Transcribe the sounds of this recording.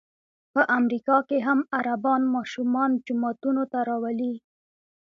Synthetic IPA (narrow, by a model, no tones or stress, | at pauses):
pəʔamɾikɑkeɦamaɾabɑnmɑʃumɑnd͡ʒʊmɑt̪unot̪aɾɑwali